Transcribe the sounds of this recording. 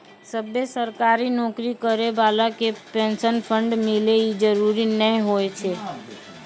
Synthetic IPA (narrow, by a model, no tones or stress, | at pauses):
səbːesəɾkaːɾinɔːkɾikəɾebaːlakepẽːnsənpʰə̃ɳɖmɪleid͡ʒəɾuɾinəĩɦoet͡ʃʰeː